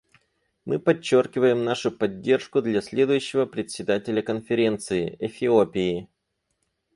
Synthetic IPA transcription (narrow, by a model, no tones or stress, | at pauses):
mɨpɐt͡ɕːo̞rkʲɪvəjɪmnaʂʊpɐdʲːe̞rʂkʊd̪lʲɐsʲlʲe̞d̪ʊjʉɕːɪvəpɾʲɪt̪ʲsʲɪd̪atʲɪlʲəkənfʲɪɾʲe̞nt̪sɨɪɛfʲɪopʲɪɪ